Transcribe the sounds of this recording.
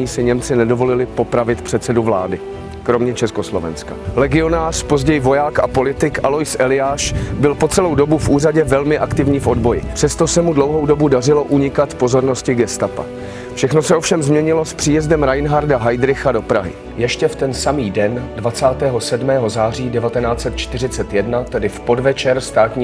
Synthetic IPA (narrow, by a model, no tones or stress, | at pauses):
iːsɪɲɛmt͡sɪnɛdo̞vo̞lɪlɪpo̞pɾavɪt̪pr̥ɛt̪sɛduvla̰ːdɪ | kɾo̞mɲɛt͡ʃɛsko̞slo̞vɛ̰nska̰lɛɡɪo̞naːr̝̥po̞zɟɛjɪvojaːkapo̞lɪt̪ɪkʔalojsʔɛlɪjaːʃbɪlpo̞t͡sɛlowdo̞bufʔuːraɟɛvɛlmɪʔakt̪ɪvɲiːfʔo̞dbo̞jɪ̰pr̝̥ɛst̪o̞sɛmudlo̞wɦowdo̞budarɪlo̞ʔuɲɪkat̪po̞zo̞ɾno̞scɪɡɛst̪apa̰ | fʃɛxno̞sɛʔo̞fʃɛmzmɲɛɲɪlo̞spr̥iːjɛzdɛmɾajnɦaɾdaɦajdɾɪxado̞pɾa̰ɦɪ̰ | jɛʃcɛft̪ɛnsamiːdɛndvat͡saːt̪ɛːɦo̞sɛdmɛːɦo̞zaːr̝iːdɛvat̪ɛnaːt͡sɛt̪̚t͡ʃt̪ɪrɪt͡sɛt̪jɛdnat̪ɛdɪfpo̞dvɛt͡ʃɛɾst̪aːt̪ɲiː